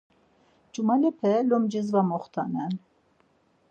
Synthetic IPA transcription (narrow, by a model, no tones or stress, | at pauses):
d͡ʒumalɛpʰɛlɔmd͡ʒizvamɔχt̪ʰanɛn